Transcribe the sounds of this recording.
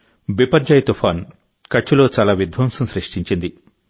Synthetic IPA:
bipɐɾd͡ʒɐjt̪ufʰaːn | kɐt͡ʃːulo̞ːt͡ʃaːlaːʋid̪ʱʋɐːmsɐmsɾɐʂʈiɲt͡ʃind̪i

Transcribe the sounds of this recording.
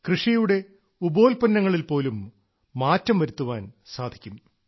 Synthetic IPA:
krɨʂijuɽe̞ | ubo̞ːlpɐnːɐŋːɐɭilpo̞ːlumː | aːtːɐmʋɐɾut̪ːuʋaːnsaːd̪ʱikʲːum

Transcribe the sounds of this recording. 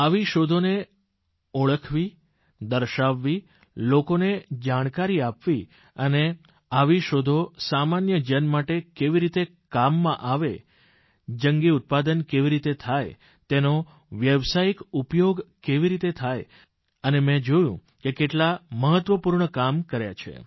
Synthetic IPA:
aʋiʃod̪ʱone | oɭəkʰʋi | d̪əɾʃaʋːi | lokoned͡ʒaɽ̃kaɾiapʋi | əne | aʋiʃod̪ʱosamanjəd͡ʒənmaʈekeʋiɾit̪e | kamːãʔaʋe | d͡ʒəŋɡiut̪̚pad̪ənkeʋiɾit̪et̪ʰaj | t̪eno | ʋjəʋsaikupjoɡkeʋiɾit̪et̪ʰaj | ənemɛ̃d͡ʒojṵ̃ | kekeʈlaməɦət̪ʋəpuɾɳəkamkəɾja̰t͡ʃʰḛ

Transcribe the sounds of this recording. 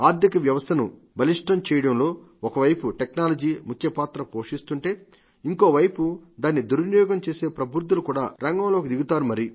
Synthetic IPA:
aːd̪ɐkɐʋjɐʋɐst̪ʰɐnṵ | bɐliʂʈɐmt͡ʃɛːjɐɽɐmlo̞ː | ɔkɐʋɐjpuʈeknaːlɐd͡ʒiːmukʰjɐpaːt̪ɾɐpo̞ːʂist̪uɳʈe̞ː | iŋko̞ːʋɐjpud̪aːnːid̪uɾnjɔːɡɐmt͡ʃe̞ːse̞ːpɾɐbʱuɾtd̪ːulukuːɽaːɾɐŋɡɐmloːkid̪iɡut̪aːɾumɐɾi

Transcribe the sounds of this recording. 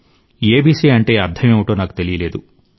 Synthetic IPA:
eːbiːsiːɐɳʈe̞ːɐɾd̪ʱʰɐmeːʋuʈoːnaːku̥t̪e̞lijɐle̞ːd̪u

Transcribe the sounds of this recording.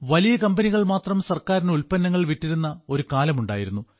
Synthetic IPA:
ʋɐlijɐkɐmbɐniɣɐɭmaːt̪rɐmsɐrkaːɾineulpɐnːɐŋːɐɭʋiʈːiɾunːɐo̞ɾukaːlɐmuɳɖa̰ːjiɾunːu

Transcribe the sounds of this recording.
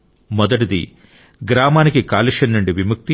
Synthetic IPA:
mɔd̪ɐʈ̬id̪ḭ | ɡɾaːmaːnikikaːliʂɐnːuɳɖiʋimuk̚t̪i

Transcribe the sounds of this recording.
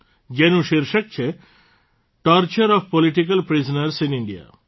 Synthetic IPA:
ɡenuʃiɾʃək̚t͡ʃʰe | ʈɔɾt͡ʃɐɾɔfpɔliʈikɐlpɾizɔnɐɾsiniɳɖia̰

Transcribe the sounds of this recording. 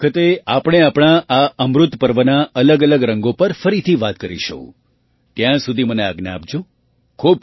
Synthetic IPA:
kʰət̪eapɽ̃eapɽ̃aʔaəmɾʊt̪pəɾʋənaələɡələɡɾəŋɡopəɾfəɾit̪ʰiʋat̪kəɾḭʃəkṵ̃ | t̪jãsud̪ʱimənea̰ɡna̰ap̚d͡ʒu | kʰub̚

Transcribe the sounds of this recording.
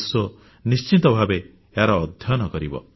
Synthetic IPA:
swɔ | nist͡ʃit̪ɔbʱabe | eɦaɾɔːd̪ʱjɔnɔkɔɾibɔ̰

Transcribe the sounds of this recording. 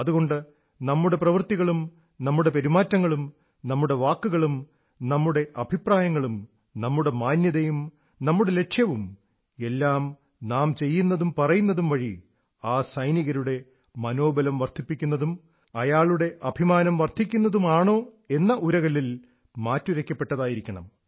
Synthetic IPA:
ɐðuɣo̞ɳɖɨ | nɐmːuɽe̞prɐʋɐrt̪iɣɐɭum | nɐmːuɽe̞peɾimaːtːɐŋːɐɭum | nɐmːuɽe̞ʋaːkːuɣɐɭum | nɐmːuɽe̞ʔɐbʱipraːjɐŋːɐɭum | nɐmːuɽe̞maːnjɐðɐjum | nɐmːuɽe̞le̞ʂjɐʋum | e̞lːaːm | naːmt͡ɕe̞jːunːɐðumpɐrɐjunːɐðumʋɐɻi | aːsɐjniɣɐɾuɽe̞ | mɐno̞ːbɐlɐmʋɐrt̪ʰipːikʲːunːɐðum | ɐjaːɭuɽe̞ʔɐbʱimaːnɐmʋɐrt̪ʰːikʲːunːɐðumaːɳo̞ː | e̞nːɐʔuɾɐɣɐlil | maːtːuɾɐkʲːɐpːe̞ʈːɐðaːjiɾikʲːɐɳɐ̰m

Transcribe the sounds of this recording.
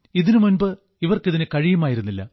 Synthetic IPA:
iðinɨmunbɨ | iʋɐrkiðinɨkɐɻijɐmaːjiɾunːilːɐ̰

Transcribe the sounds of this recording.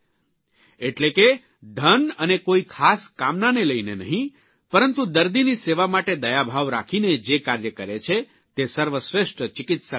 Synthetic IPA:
eʈleke | d̪ʱənənekoikʰaskamnaneləinenəɦĩ | pəɾənt̪ũd̪əɾd̪iniseʋamaʈed̪əjabʱaʋɾa̰kʰined͡ʒekaɾjəkəɾet͡ʃʰe | t̪esəɾʋəsɾeʃʈət͡ʃɪkɪt̪sa

